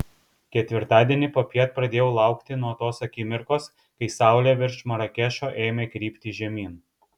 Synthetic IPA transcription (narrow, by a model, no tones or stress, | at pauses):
kʲɛt̪ʲʋʲɪɾt̪ɑːd̪ʲiɛnʲɪpopʲiɛt̪̚pɾɐd̪ʲeːjɛʊlˠɑˑʊkt̪ʲɪnuɔt̪oːsɐkʲɪmʲɪɾkoːs | kɐɪsɑˑʊlʲeʋʲɪɾʃmɐɾɐkʲɛʃoːʔeːmʲeːkɾʲiːpʲt̪ʲɪːʒʲɛmʲiːn